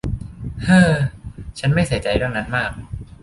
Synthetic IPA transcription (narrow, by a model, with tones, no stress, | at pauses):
hɤː˧˩t͡ɕʰa˦˥nma˥˩jsi˩˦jt͡ɕa˧jdɯ˥˩əŋna˦˥nmaː˥˩k̚